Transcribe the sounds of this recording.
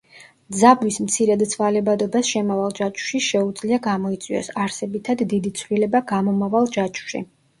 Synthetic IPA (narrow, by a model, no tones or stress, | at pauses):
d̪zabwismt̪sʰiɾad̪t̪sʰvalɛbad̪ɔbasʃɛmavalˠd͡ʒat͡ʃʰʼu̥ʃiʃɛud̪zliaɡamɔit̪sʼiɔ̰saɾsɛbit̪ʰad̪ːid̪it̪sʰvlilɛbaɡamɔmavalˠd͡ʒat͡ʃʰʼu̥ʃḭ